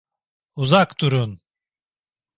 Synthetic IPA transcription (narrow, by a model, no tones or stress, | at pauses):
uzakt̪uɾun